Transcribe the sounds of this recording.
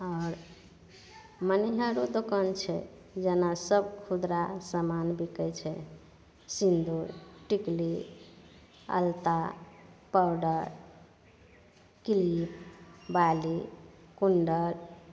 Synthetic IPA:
ɔɾ | məniɦəɾod̪okant͡ʃʰɛ̰ | d͡ʒənasəbkʰud̪ɾasəmanbikət͡ʃʰɛ | sind̪uɾʈikli | ə̰lt̪apawɖəɾ | kilipbali | kuɳɖəɾ

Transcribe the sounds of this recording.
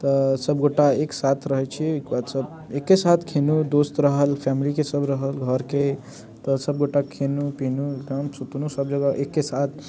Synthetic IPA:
t̪əsəbɡoʈaeksat̪ʰɾəɦɛt͡ʃʰiujkbad̪səb | ekːesat̪ʰkʰenud̪ost̪ɾəɦəlpʰɛmilikesəbɾəɦəlɡʱəɾke | t̪əsəb̚ɡoʈakʰenupinuəmsut̪unusəbd͡ʒəɡaʔekːesat̪ʰ

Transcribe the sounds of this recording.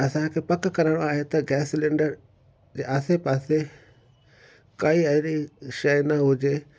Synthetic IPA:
ɐsãkʰepɐkkɐɾəɽ̃oaːɦet̪ɐɡɛːslẽːɳɖəɾ | d͡ʑeːʔaːsepaːse | kɐiɐɦɪɾiʃɐjnɐɦʊd͡ʑeː

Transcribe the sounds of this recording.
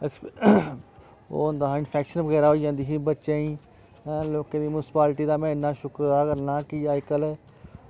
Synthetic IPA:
o̰ːõnd̪aːɪnpʰɛːkʃənʋəɣɛːɾaːɦoːid͡ʒãːnd̪iːɦiːbətːʃẽːĩː | loːkẽːd̪iːmʊnɪspaːlʈiːd̪aːmɛ̃ːɪnːãːʃʊkɾaːkəɾnãːkiːaːɪkəlɛː

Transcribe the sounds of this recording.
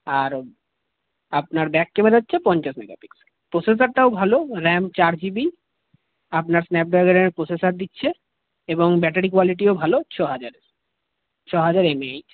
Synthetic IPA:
aɾ | apnaɾbɛkːemed̪atːɕʰepɔnt͡ɕaʃmɛɡa̰pikseɾpɾoses̬aɾʈaobʱaloɾɛmt͡ɕaɾd͡ʑibi | apnaɾsnɛp̚ɖɾaɡeɾeeɾpɾosesaɾd̪itːɕʰe | eboŋbɛʈaɾikualiʈ̬iobʱalot͡ɕʰɔɦad͡ʑaɾe | t͡ɕʰɔɦad͡ʑaɾemeaj

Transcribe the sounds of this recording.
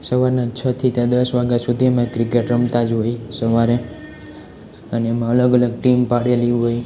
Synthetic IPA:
səʋaɾnat͡ʃʰət̪ʰit̪jãd̪əsʋaɡjasud̪ʱiemãkɾikeʈɾəmt̪ad͡ʒɦoisəʋaɾe | əneːmãələɡələɡ̚ʈimpaɽeliɦoj

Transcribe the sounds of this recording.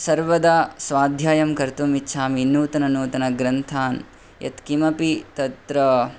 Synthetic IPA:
sɐɾʋɐd̪aːsʋaːd̪ʱjaːjɐmkɐɾt̪umitːʃʰaːminuːt̪ɐnɐnuːt̪ɐnɐɡɾɐnt̪ʰaːn | jɐ̰t̪kimɐpit̪ɐt̪ɾɐ

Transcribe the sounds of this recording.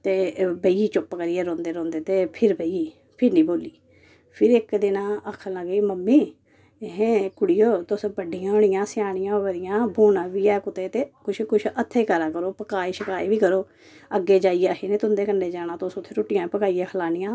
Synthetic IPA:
t̪eːbəiiːt͡ʃʊpkəɾijeːɾõːnd̪eːɾõːnd̪eːt̪eːpʰɪɾbəiiː | pʰɪɾnĩːboːliː | pʰɪɾɪkd̪ɪnãːʔəkʰːələɡiːməmːiː | ɦẽkʊɽɪjoːt̪ʊsbəɖɪjãːʊɳ̃ɪjãːsɪjaːɽ̃ɪjãːbəɾɪjãːbʱuːnãːʋiːɛːkʊt̪eːt̪eːkʊt͡ʃʰkʊt͡ʃʰət̪ʰːeːkəɾaːkəɾoːpəkaːiːʃəkaːiːʋiːkəɾoː | əɡeːd͡ʒaːijeəɦeːnẽːt̪ʊnd̪eːkənɖeːd͡ʒaːñãːt̪ʊsʊt̪ʰːeːɾoːʈɪjãːpəkaːijãːkʰəlaːnɪjãː

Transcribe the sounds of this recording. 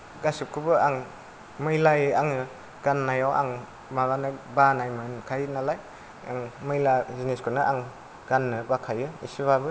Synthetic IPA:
ɡasip̚kʰubɯaŋ | mɯjlajɯaŋɯ | ɡ̥anːajawʔa̰ŋ | mabanɯbanajmɯnkʰajnalaj | ŋmɯjlazineskʰɯnɯʔaŋ | ɡanːɯbakʰajɯḭsiβabɯ

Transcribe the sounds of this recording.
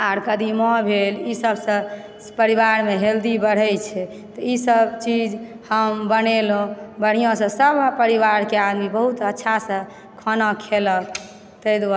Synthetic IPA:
aɾkəd̪imɔbʱelisəbsə̃ | pəɾibaɾmeɦeld̪ibəɽ̤ɛjt͡ʃʰɛ | t̪ɔisəbt͡ʃid͡ʒ | həmbənelõbəɽ̤ijõsə̃səbʱpəɾiʋaɾkead̪mibəɦut̪ətːʃʰasə̃ | kʰɔnɔkʰelək | t̪əjd̪wa

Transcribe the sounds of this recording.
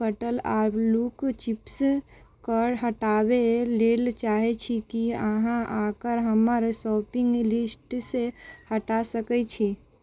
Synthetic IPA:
əʈəlaɾlukt͡ʃips | kəɾɦəʈabelelt͡ʃaɦɛt͡ʃʰikiəɦãʔakəɾɦəməɾsɔːpiŋɡlisʈsehəʈasəkɛt͡ʃʰi

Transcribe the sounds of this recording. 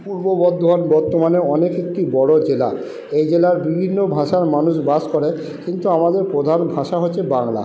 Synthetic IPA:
puɾbobɔd̪ʱːɔnbɔɾt̪omaneɔnekek̚ʈibɔɽod͡ʑela | ejd͡ʑelaɾbibʱinːobʱaʃaɾmanuʃbaskɔɾe | kint̪uamad̪eɾpɾod̪ʱanbʱaʃaɦotːɕʰebaŋla̰

